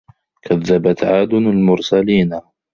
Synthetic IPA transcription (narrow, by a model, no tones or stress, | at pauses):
kʰaðːabat̪ʕaːd̪ʊnalmʊɾsaliːn